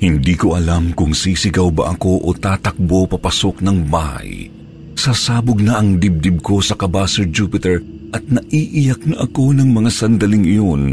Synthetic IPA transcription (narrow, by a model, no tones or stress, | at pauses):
hɪnd̪iːko̞ʔɐlamkʊŋsiːsɪɡɐwbɐ̰ʔɐko̞ʔot̪aːt̪ɐk̚bo̞pɐpɐso̞k̚nɐŋbaha̰j | saːsaːbʊɡ̚nɐʔɐŋd̪ɪb̚d̪ɪb̚ko̞sɐkɐbaːsɛɹd͡ʒuːpɪt̪ɛɹ | ʔɐt̪̚nɐʔiːʔɪjɐk̚nɐʔɐko̞nɐŋmɐŋasɐnd̪ɐlɪŋɪjon